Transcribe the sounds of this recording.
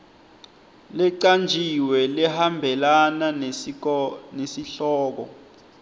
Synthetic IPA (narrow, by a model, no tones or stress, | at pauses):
lɛǀand͡ʒʱiwɛlɛhambʱɛlana | nesiɬɔːk̬ɔ̰